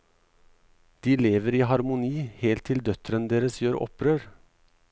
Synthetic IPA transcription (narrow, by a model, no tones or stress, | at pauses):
d̪̥iːleːʋəɾiːɦɑɾmʊniːheːlt̪ʰːɪld̪œt̪ɾənd̪eːɾəsjøːɾʔɔ̰pɾøːɾ